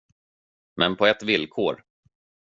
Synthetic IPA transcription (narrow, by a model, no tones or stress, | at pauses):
mɛnpʰɔɛt̪vɪlkʰoːɾ